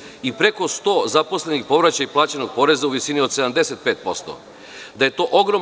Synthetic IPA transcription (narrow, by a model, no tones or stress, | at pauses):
ipɾe̞ko̞st̪o̞ːzapo̞sle̞nixpo̞ʋɾat͡ɕajiplˠaːt͡ɕeno̞ɡ̚po̞ɾe̞zauʋisinio̞d̪se̞d̪amd̪e̞set̪̚peːt̪̚po̞st̪o̰ | d̪aje̞t̪o̞ːʔo̞ɡɾo